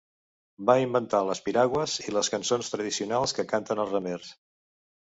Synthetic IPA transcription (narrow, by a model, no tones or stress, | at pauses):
baimbənt̪aləspiɾaɣwəziləskənsonst̪ɾəð̞isiunalˠskəkant̪ənəlˠzrəmers